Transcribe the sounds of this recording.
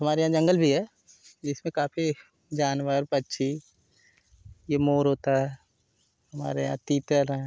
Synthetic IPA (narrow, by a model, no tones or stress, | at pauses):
ɦɐmaːɾejãːd͡ʒɐ̃ŋɡəlbʱiɦɛː | d͡ʒɪsmẽkaːpʰi | d͡ʒaːnʋəɾpɐtːʃʰi | jemoːɾɦoːt̪aɦɛː | hɐma̰ːɾejã̰ːt̪iːt̪əɾɛ̃